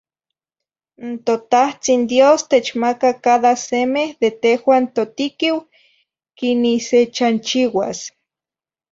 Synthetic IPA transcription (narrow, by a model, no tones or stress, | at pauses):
nt̪ot̪aht͡sind̪jost̪et͡ʃmakakaðasemehðet̪ehwaːnt̪ot̪ikiw | kiniset͡ʃant͡ʃiwa̰s